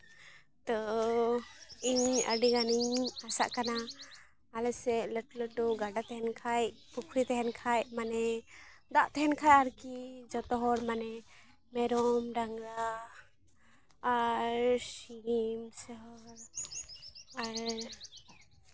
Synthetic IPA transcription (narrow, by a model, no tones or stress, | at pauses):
t̪ɔ | iɲə̰ɖiɡaniɲasa̰ʔkanaː | lɛsɛləʈuləʈuɡaɖat̪ɛɦɛnkʰajpukʰɾit̪ɛɦɛnkʰajmanɛd̪aʔt̪ɛɦɛnkʰajaɾkid͡ʒɔt̪ɔɦɔɾmanɛ | mɛɾɔmɾaŋɡɾa | ɾɾsimsɛɦɔɾ | aɾ